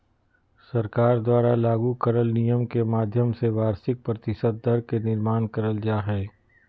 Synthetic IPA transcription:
sɐɾkaːɾd̪waːɾalaːɡukɐɾəlnijəmkemaːd̪ʱjəmseʋaːɾsɪk̚pɾɐt̪ɪʃəd̪̚ːɐɾkenɪɾmaːnkɐɾəld͡ʒaːɦɛː

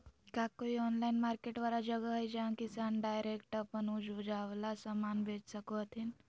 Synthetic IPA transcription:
kakoiɔːnlainmaːɾkeʈʋaːɾad͡ʒəɡəɦəjd͡ʒãkisanɖajɾekʈəpənud͡ʒʋd͡ʒaʋlasəmaːnbʱed͡ʒsəkoət̪ʰin

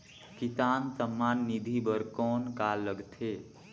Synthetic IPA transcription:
kisansəmːaːnːid̪ʱibəɾkɔnkalːəɡt̪ʰe

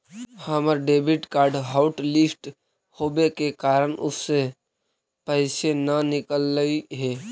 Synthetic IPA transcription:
həməɾɖeːbɪʈkaːɾɖɦaʊʈlɪsʈ | hoːbekekaːɾənʊsːe | pəɪsenənɪkəlːəiɦɛː

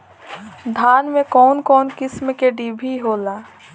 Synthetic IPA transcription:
d̪ʱaːnmẽkɔːnkɔːnkɪsmkeɖiːbʱiɦoːlaː

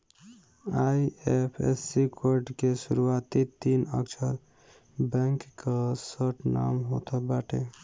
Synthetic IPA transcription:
ajepʰḛsikoɾɖkesuɾuat̪it̪inəkt͡ʃʰəɾ | bɛ̃ŋkkasəʈʰna̰mɦot̪ʰɔbaʈʰe

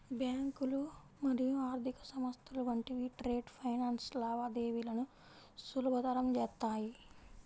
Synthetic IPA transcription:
bjaːŋkulu | mɐɾijuaːɾd̪ʱikɐsɐmɐst̪ʰɐluʋɐɳʈiʋiːʈɾe̞ːɖpʰɐjnaːnslaːʋad̪eːʋilɐnu | sulubʱɐd̪ɐɾɐmd͡ʒɛːst̪ːaːji

